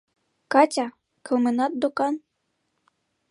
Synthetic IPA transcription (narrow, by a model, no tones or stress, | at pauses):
kɑtʲɑ | kɤ̆lmɘ̆nɑt̪̚d̪okɑn